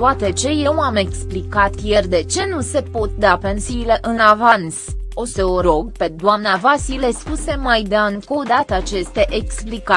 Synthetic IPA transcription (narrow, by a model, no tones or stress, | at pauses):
t̪at̪et͡ʃe̞je̞wame̞ksplikat̪je̞rd̪e̞t͡ʃe̞nuse̞po̞t̪̚d̪ape̞nsiːle̞ʔɨnavanso̞səoɾo̞ɡ̚pe̞d̪oamnavasile̞spuse̞majd̪eanko̞d̪at̪əat͡ʃe̞st̪e̞ʔeksplika